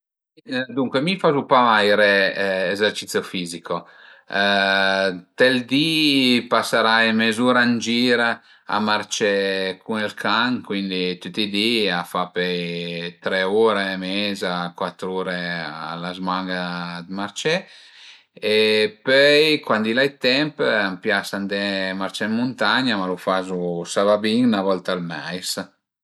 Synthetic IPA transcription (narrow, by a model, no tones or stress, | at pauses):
d̪uŋkwemifazupamajɾeːzɛɾt͡ʃit̪sjofiːzikʰo | t̪ɛld̪ipasaɾajmezuːɾand͡ʒiːɾ | a̰maɾt͡ʃɛkʰunɛlkʰaŋkwind̪it̪ut̪ːid̪iafapɛjt̪ɾɛuɾemɛzakwat̪ːɾuːɾea̰lazmaŋɡad̪maɾt͡ʃɛ | epœjkwand̪ilajt̪ɛmpampjasand̪ɛmaɾt͡ʃɛmmːunt̪aɲamalufazusavabiŋnavɔlt̪almajs